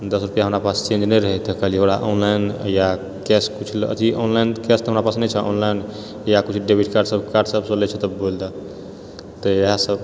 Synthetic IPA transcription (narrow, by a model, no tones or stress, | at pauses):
d̪əsɾupijaɦəmɾapast͡ʃẽd͡ʒnɛjɾəɦɛt̪ɛkəliɦoɽaʔonlajnja | kɛskut͡ʃʰlə̰t̪iʔonlajnkɛst̪ɦəmɾapasnɛt͡ʃʰɛʔɔ̰nlajn | jakut͡ʃʰɖebʱiʈkaɾɖsəbkaɾɖsəbsə̃lɛt͡ʃʰɛt̪əbold̪a | t̪əeɦasəb